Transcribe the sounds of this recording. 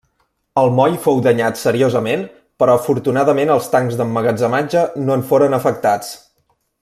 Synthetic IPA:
əlˠmɔjfowðəɲat̪səɾiozəmen | pəɾɔəfuɾt̪unaðəmenəlˠst̪aŋɡzðəmːəɣəd͡zəmad͡ʒənoəɱfoɾənəfək̚t̪at͡s

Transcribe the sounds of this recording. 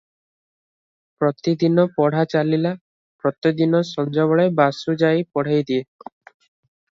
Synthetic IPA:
pɾɔt̪id̪inɔpɔɽ̤at͡ʃalila | pɾɔt̪id̪inɔsɔnd͡ʒɔbɔɭebasud͡ʒajpɔɽ̤ajd̪ie

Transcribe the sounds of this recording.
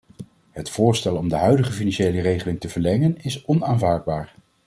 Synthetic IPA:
ɦətfʊːɹstɛlɔmdəɦœɥdəχəfinanʃejlərejχəlɪŋtəvəɹlɛŋənɪsɔnaːnvaːɹd̚baːɹ

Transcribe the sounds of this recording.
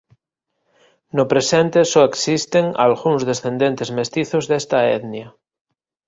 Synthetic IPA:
nopɾesent̪esoeksist̪eŋa̰lɣuŋzðesθẽnd̪ent̪ezmest̪iθozðest̪aeðnja

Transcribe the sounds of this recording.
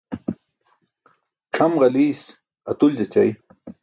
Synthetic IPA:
ʈ͡ʂʰɐmɣɐliːs | ɐt̪uld͡ʑɐt͡ɕaj

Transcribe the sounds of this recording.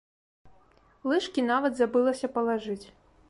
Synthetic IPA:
lˠɨʂkʲinavɐd̪zabɨlˠɐsʲɐpɐlˠaʐɨt͡sʲ

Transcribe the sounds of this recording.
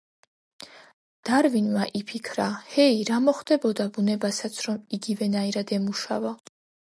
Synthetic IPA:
d̪̥aɾvinmaʔipʰikʰɾahɛiɾamɔχd̪ɛbɔd̪abunɛbasat̪sʰɾɔmiɡivɛnaiɾad̪ɛmuʃa̰va

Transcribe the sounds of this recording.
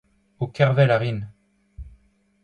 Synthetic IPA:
okɛʁvɛlaʁin

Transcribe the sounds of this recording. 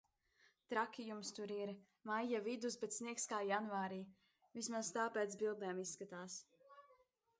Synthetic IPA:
t̪ɾakʲijumst̪uɾiɾ | majjavid̪usbɛt̪sniɛkskaːjanvaːɾiː | vismazt̪aːpɛːt̪sbilˠd̪ɛːmisːkat̪aːs

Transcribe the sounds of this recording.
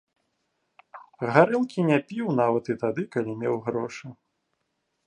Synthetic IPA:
ɣaɾɨlˠkʲinʲɛpʲiwnavɐt̪it̪ad̪ɨkalʲimʲewɣɾɔʂɨ

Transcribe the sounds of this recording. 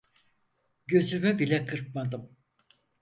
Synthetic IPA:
ɟø̞zymybilʲɛkʰɯɾp̚mad̪ɯm

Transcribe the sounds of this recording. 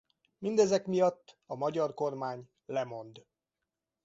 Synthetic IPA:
mind̪ɛzɛkmijɒt̪ːɒmɒɟɒrko̞rmaːɲ | lɛmo̞nd̪

